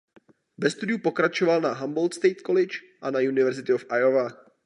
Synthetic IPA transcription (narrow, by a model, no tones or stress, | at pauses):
bɛst̪udɪjupo̞kɾat͡ʃovalnaɦambo̞lt̪st̪ejt̪kolɪt͡ʃ | ʔanajunɪvɛɾzɪt̪ɪofʔajova